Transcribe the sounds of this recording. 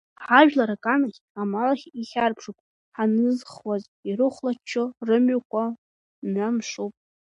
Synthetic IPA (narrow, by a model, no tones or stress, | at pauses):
ħaʒᶣlaɾakʼanaχʲ | amalaχʲiχʲarpʰʂukʷʼ | ħanɨzχwaz | irɨχʷlat͡ʃʰːorɨmɥakʷʰa | namʂupʼ